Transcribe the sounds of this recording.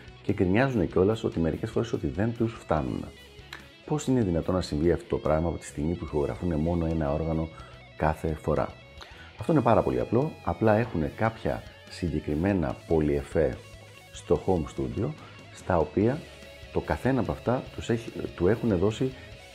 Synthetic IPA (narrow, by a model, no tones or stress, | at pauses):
cekɾiɲɐzune̞ceo̞lɐso̞̰t̪ime̞ɾḭce̞sfo̞ɾe̞so̞t̪iðe̞nt̪usft̪ɐnṵnḛ | po̞sine̞ðinɐt̪o̞nɐsiɱviɐft̪o̞t̪o̞pɾɐɣmɐɐpo̞t̪i̥st̪imipuixo̞ɣɾɐ̰fune̞mo̞no̞e̞nɐo̞ɾɣɐno̞ | kɐθe̞fo̞ɾɐ̰ | ɐft̪o̞ine̞pɐɾɐpo̞̰lḭɐ̰plo̞ɐplɐe̞xune̞kɐpçɐ̰ | siɲɟe̞kɾime̞nɐ̰po̞lie̞fe̞ | st̪o̞xo̞mst̪ud̪io̞ | st̪ɐo̞piɐ | t̪o̞kɐθe̞nɐːpɐft̪ɐut̪ue̞xune̞ðo̞si